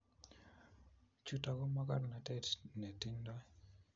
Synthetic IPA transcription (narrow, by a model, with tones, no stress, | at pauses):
t͡ʃu˨ta˨ɡɔ˦ma˦ka˦ɾna˨tɛ˦tne˨ti˦ɲdɔ˦